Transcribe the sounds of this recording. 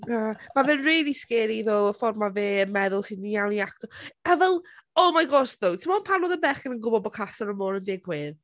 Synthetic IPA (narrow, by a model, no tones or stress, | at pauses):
amavɛnriːlˠiskɛːɾiðoːəfɔrmaveːənmɛðʊlˠsɨdnijawniak̚tɔɛvɛlˠɔmajɡɔstðotʰɪmɔnpʰanɔðəbɛχənənɡʊbɔbɔkʰasɔɾəmoːɾəndɪɡwɪð